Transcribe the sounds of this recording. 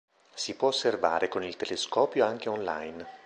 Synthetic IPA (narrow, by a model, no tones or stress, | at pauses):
sipwɔːsːerva̰ːɾekonilt̪eleskɔːpjoaŋk̟eonla̰jn